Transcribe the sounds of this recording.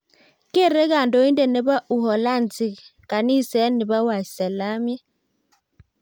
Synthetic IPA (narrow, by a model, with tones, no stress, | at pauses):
ke˦˨ɾe˦ka˨ndɔ˦i˦ndɛ˨nɛ˨ba˦ʔu˨ɦɔ˨la˦˨nt͡si˨ka˨ni˦˨sɛ˨˦ni˨ba˦wa˨sɛ˨la˦mjɛ˦